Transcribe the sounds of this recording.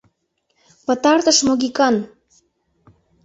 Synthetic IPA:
pə̆t̪ɑrt̪əʃmoɣikɑn

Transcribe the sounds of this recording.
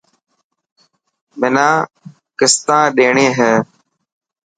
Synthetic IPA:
mɪnãː | kɪst̪ãːɗeːɳeːɦɛ̃ː

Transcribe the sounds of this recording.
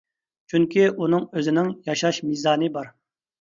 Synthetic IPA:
t͡ʃʰyŋkʲʰiʔunɨŋøzɪnɪŋjɑʃɑʃmizɑːnɨbɑɾ

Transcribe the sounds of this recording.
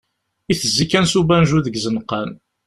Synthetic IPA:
iθəzːikːænsubænʒuðəɡzənqɑn

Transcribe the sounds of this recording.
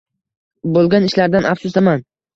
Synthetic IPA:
bolˠɡʲanɪʃlaɾd̪anafsʊsd̪aman

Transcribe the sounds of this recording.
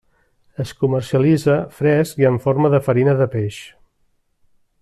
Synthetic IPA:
əskumərsiəlizəfɾɛskiəɱforməðəfəɾinəðəpeʃ

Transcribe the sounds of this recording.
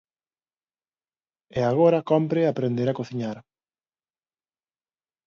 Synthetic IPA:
eaɣ̞oɾɐkɔmpɾeapɾend̪eɾakoθiɲaɾ

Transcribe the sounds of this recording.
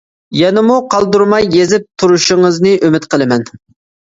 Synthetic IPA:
jɛnɪmuqʰɑlˠd̪uɾmɑjːezɪp̚t̪ʰuɾuʃɪŋəznɨʔømɪt̪qʰəlˠɨmɛn

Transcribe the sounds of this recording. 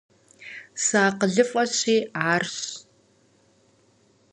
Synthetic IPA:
saːqəɮɨfʼɐɕiːaːrɕ

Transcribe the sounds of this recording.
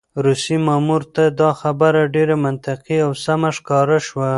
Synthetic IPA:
ɾusimɑmuɾt̪ad̪ɑxabaɾaɖeɾamant̪ɪqiawsamaʃkɑɾaʃwa

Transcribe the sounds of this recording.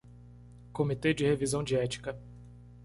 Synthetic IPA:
komit̪ed͡ʒɪhevizɐ̃w̃d͡ʒiɛt͡ʃi̥kɐ

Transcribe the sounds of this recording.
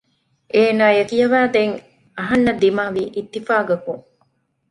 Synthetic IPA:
ʔeːnaːjɐkijɐʋæːd̪eŋ | ɐɦɐnːɐd̪imaːʋiːʔit̪ːifaːɡɐkuŋ

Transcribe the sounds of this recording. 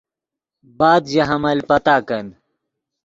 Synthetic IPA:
baːd̪jɐɦɐmɐlʲpɐt̪aːkɐn

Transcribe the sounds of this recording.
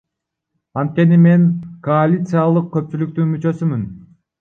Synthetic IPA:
ɑnt̪̚kʲe̞nime̞ŋkoalʲit̪sɨjalˠɯq̚kø̞p̚t͡ʃylyk̚t̪ynmyt͡ʃø̞symyn

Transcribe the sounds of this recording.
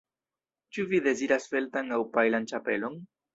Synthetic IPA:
t͡ʃuvide̞ziɾasfe̞ltaŋawpajlant͡ʃape̞lo̞n

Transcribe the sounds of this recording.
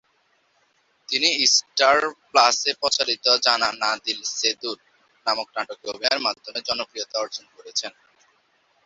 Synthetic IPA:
t̪iniisʈaɾplasepɔt͡ɕaɾit̪od͡ʑananad̪ilsed̪uɾ | namok̚naʈokeobiaɾmad̪ʱːomed͡ʑɔnokɾijot̪aɔɾd͡ʑonkoɾet͡ɕʰen

